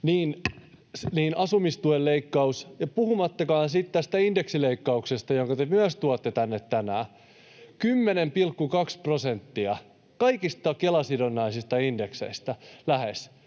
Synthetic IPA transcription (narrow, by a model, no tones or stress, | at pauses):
niːn | sniːnɑsumist̪uelleikːɑusjɑpuhumɑt̪ːɑkɑːnsit̪t̪æst̪æindeksileikːɑuksest̪ɑjoŋkɑt̪emyæst̪uot̪ːet̪ænːet̪tænæː | kymːenempilkːukɑksprosent̪ːiɑ | kɑikist̪ɑkelɑsidonːɑisist̪ɑinde̞ksḛist̪ælæhes